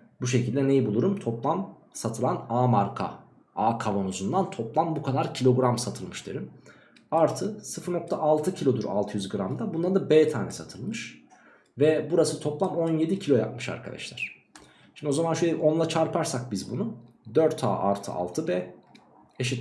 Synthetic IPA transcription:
buʃ̬e̞cʰilʲd̪ʲɛne̞jibulˠuɾumt̪ʰo̞plˠam | sat̪ʰɯlˠanaːmaɾkʰa̰ | aːkʰavo̞nuzund̪ant̪ʰo̞plˠambukʰad̪aɾcʰilʲo̞ɡɾamsat̪ʰɯlˠmɯʃt̪ʰḛɾim | aɾt̪ʰɯsɯfɯɾno̞k̚t̪ʰaʔalˠt̪ʰɯcʰilʲo̞d̪uɾa̰lˠt̪ʰɯjyzɡɯɾamd̪abunlaɾd̪abɛːt̪ʰaːnɛsat̪ʰɯlˠmɯʃ | vɛbuɾasɯt̪ʰo̞plˠamo̞nje̞d̪icʰilʲo̞ja̰p̚mɯʃa̰ɾkʰa̰d̪a̰ʃlʲæɾ̥ | ʃimd̪io̞zamanʃøjʲɛʔo̞nlˠat͡ʃʰaɾpʰaɾsak̚bizbunu | d̪øɾt̪ʰa̰ːʔa̰ɾt̪ʰɯ̰a̰lˠt̪ʰɯbɛː | eʃit̪

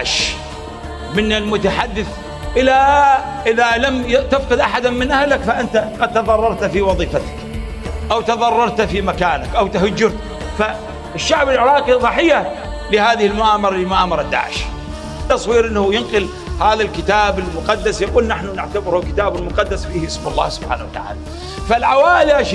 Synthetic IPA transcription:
ʕʃ | mɪnːalmʊt̪aħad̪ːɪθ | ʔɪlaʔɪðalamt̪afqɨɪd̪ʔaħad̪amɪnʔahlakfaʔɪnt̪aqɑd̪̚t̪ɑðˤɑrˤːɑɾˤt̪fiwɑðˤiːfat̪ḁk | ʔawt̪ɑðˤɑrˤːɑɾˤt̪fimakaːnakʔawt̪ahʊd͡ʒːʊɾ | fa | ɪʃːaʕbalʕɪɾˤɑːqiðˤɑħɪjːa | lɪhaːðɪhɪlmʊʔaːmɑɾˤɑlɪmʊʔaːmɑɾˤɑd̪ːa̰ːʕɪ̰ʃ | t̪ːɑsˤwiːɾʔɪnːhʊjʊnqɪl | haːðalkɪt̪aːbɪlmʊqɑd̪ːasjakuːlnaħnʊnɪʕt̪abɪɾhʊkɪt̪aːbalmʊqɑd̪ːasfiːhʔɪsmʊlˤːa̰ːhsʊb̥ħa̰ːna̰wat̪a̰ʕa̰ːla | falʕawaːʔɪlaʃ

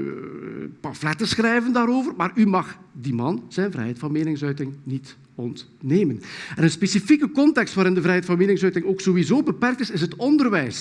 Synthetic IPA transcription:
pɑflɛtəsxrɛjvəndaːɾoːvərmaːrymɑxdimɑnz̥ɛjnvrɛ̰jɦɛjtfɑnmeːnɪŋsœɥtɪŋnit | ɔnt | neːmənɛnənspeːsifikəkɔntɛkstʋaːɾɪndəvɾɛjɦɛjtfɑnmeːnɪŋsœɥtɪŋoːksoːwizoːbəpɛrk̚tɪsɪsɦətɔndərʋɛjs

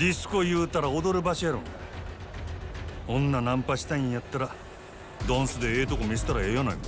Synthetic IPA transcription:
dʲisɨ̥ko̞jɯ̟ːt̪aɾaod̪o̞ɾɯ̟baɕiaɾõ̰na | õ̞nːanãmpaɕi̥t̪aĩjat̪ːaɾa | d̪õɰ̃sɨd̪e̞eːt̪o̞komʲiset̪aɾaejanaimo

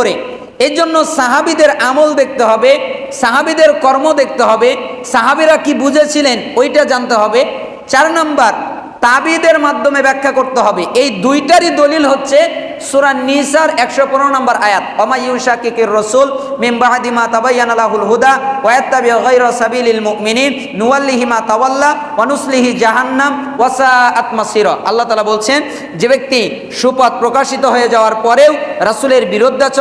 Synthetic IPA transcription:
oɾe | ed͡ʑonːosaɦabid̪eɾamold̪ek̚t̪eɦɔbe | saɦabid̪eɾkɔɾmod̪ek̚ʰt̪eɦɔbesaɦabiɾakibud͡ʑʱet͡ɕʰilenojʈad͡ʑant̪eɦɔbe | t͡ɕaɾnambaɾ | t̪abid̪eɾmad̪ʱːomebɛkʰːakoɾt̪eɦɔbeʔejd̪ujʈaɾid̪olilɦotːɕʰe | suɾanːisaɾɛkʃopɔɾoɾonambaɾajat̪̚wamajuʃakikeɾːɔsuːlminbaʕd̪imaːt̪abajːanalaɦulɦud̪awajat̪ːabiʕɣajɾasabiːlalmʊʔminiːnːuwalːiɦimaːt̪awalːa | wanusliɦid͡ʑaɦanːam | wasaːʔat̪masiɾɔʔalːat̪aːlabolt͡ɕʰen | d͡ʑebek̚t̪i | ʃupat̪̚pɾokaʃit̪oɦojed͡ʑawaɾpɔɾewɾɐsuleɾbiɾod̪ʱːat͡ɕ

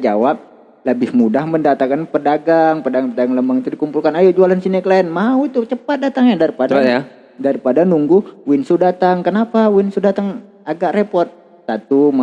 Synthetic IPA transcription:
d͡ʒa̰wap̚ | ləbɪhmudahməndat̪aŋkanpədaɡaŋpədaɡaŋpədaɡaŋləmbaŋit̪udikumpulkanajud͡ʒualansinɛklaɛnmauit̪ut͡ʃəpat̪̚dat̪aŋɲadaɾipadaa | daɾipadanuŋɡuwɪnsudat̪aŋkənapawinsudat̪aŋ | aɡaʔɾepɔrt̪̚ | sat̪uma

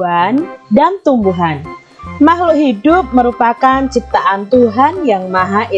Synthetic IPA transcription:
andant̪umbuɦan | maɦlʊɦidʊp̚məɾupakant͡ʃip̚t̪aʔant̪uɦanjaŋmaɦaʔi

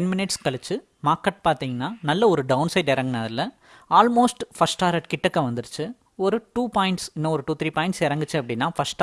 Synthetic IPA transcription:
ɛnmɪnɪʈskɐɭɪt͡ʃːɯ | maːkːɐʈ̚paːɾt̪iːŋɡɐnːaːnɐlːɐɔɾɯɖɐʊnsɐɪɖɛɾɐŋɡɐnaðɪlːɐ | aːlmoːsʈfɐsʈaːɾɐʈkɪʈːɐkːɐ̃ʋɐnd̪ɯɾɯt͡ʃːɯ | ɔɾɯʈuːpaːɪɳʈsɪnːɐ̃ɔɾɯʈuːt̪ɾiːpaːɪɳʈsɛɾɐŋɡɯt͡ʃːɯɐpːɐɽɪnːaːfɐsʈː

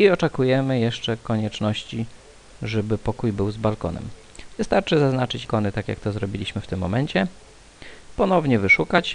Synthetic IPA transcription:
iɔt͡ʂɛkujɛmɘjɛʂt͡ʂɛkɔɲɛt͡ʂnɔɕt͡ɕi | ʐɛbɘpɔkujbɘwzbalkɔ̰nɛ̰m | vɘst̪aɾt͡ʂɘzaznat͡ʂɘt͡ɕkɔnɘt̪akʲja̰k̚t̪ɔzɾɔbʲilʲiɕmɘft̪ɘmːɔmɛɲt͡ɕɛ | pɔnɔvɲɛvɘʂukat͡ɕ

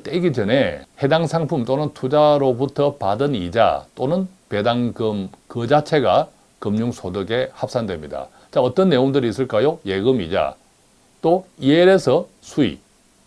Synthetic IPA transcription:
t͈eɡid͡ʑʌnehe̞daŋsʰaŋpʰumt͈onɯntʰud͡ʑaɾobutʰʌpadɯnid͡ʑa̰t͈onɯn | pe̞daŋɡɯmkɯd͡ʑat͡ɕʰe̞ɡa | kɯmɲuŋsʰodɯɡe̞hap̚s͈andwemɲida̰ | t͡ɕaʌt͈ʌnːe̞joŋdɯɾis͈ɯɭk͈ajoje̞ɡɯmḭd͡ʑa̰ | t͈oieɾesʰʌ | sʰuḭ

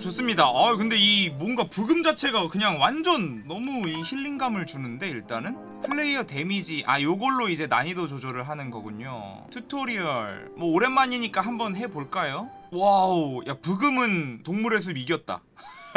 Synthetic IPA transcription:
t͡ɕos͈ɯmɲidaʔakɯnde̞imwʌnɡapuɡɯmd͡ʑat͡ɕʰe̞ɡakɯɲaŋwand͡ʑʌnːʌmuiçiɭːiŋɡamɯɭt͡ɕunɯnde̞iɭt͈anɯn | pʰɯɭːe̞iʌte̞mid͡ʑiʔa̰joɡʌɭːoid͡ʑe̞na̰ɲidot͡ɕod͡ʑʌɾɯɭɦanɯnɡʌɡuɲo̰ | tʰutʰoɾiʌɭmwʌoɾe̞nmːaɲiɲik͈aɦambʌnɦe̞boɭk͈ajo | waojapɯɡɯmɯntoŋmuɾe̞s̬ʰɯmiɡjʌt̚t͈a̰

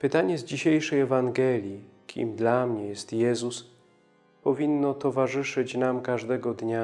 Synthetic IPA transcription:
pɘt̪aɲɛzd͡ʑiɕejʂɛjɛvaŋɡɛlʲji | kʲʰḭmd̪lamɲɛjɛst̪jɛzus | pɔvʲinːɔt̪ɔvaʐɘʂɘt͡ɕnamkaʐd̪ɛɡɔd̪ɲa

